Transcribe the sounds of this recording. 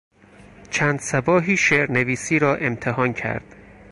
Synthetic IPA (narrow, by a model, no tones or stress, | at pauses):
t͡ʃʰæːnd̪̥sæbɒːɦiːʃeɾneviːsiːɾɒːʔe̞mt̪ʰeɦɒːncʰæ̰ɾd̪̥